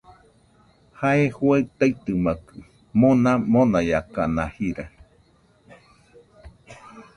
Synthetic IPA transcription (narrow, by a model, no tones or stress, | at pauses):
haehuet̪ait̪ɨmakɨ | monãmõnajakanahiɾa